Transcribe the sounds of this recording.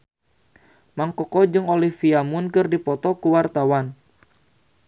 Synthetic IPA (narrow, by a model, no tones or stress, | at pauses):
maŋkɔkɔd͡ʒɨŋolihfiamunkɨrdipɔt̪ɔkuwart̪awan